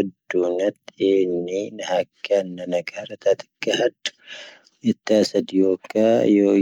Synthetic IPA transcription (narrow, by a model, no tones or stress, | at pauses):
d̪ːuːnɐt̪ːɪeːnːɪnɐhɐkʰːɐnːɐnɐɡaːɾɐt̪aːt̪ɪ̥kːɐhɐdʊ̥ | ɛt̪ːɪaːsɐd̪ɪjoːkːaːjoː